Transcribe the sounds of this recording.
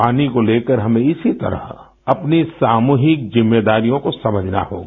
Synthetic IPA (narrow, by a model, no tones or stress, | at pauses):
paːnikoleːkəɾɦɐmẽɪsit̪ɐ̰ɾə̰ɦ | ɐpnisaːmuːɦɪk̚zɪmːeːd̪aːɾijõkosɐməd͡ʒʱna̰ho̰ːɡaː